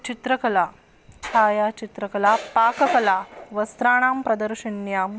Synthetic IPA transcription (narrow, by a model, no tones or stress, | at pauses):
t͡ʃit̪ɾɐkɐlaː | t̪ʰaːjaːt͡ʃit̪ɾɐkɐlaːpaːkɐkɐlaːʋɐst̪ɾaːɳaːmpɾɐd̪ɐɾʃinjaːm